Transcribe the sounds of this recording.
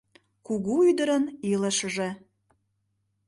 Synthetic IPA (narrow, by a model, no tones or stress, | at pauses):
kuɣuyd̪əɾəniləʃəʒĕ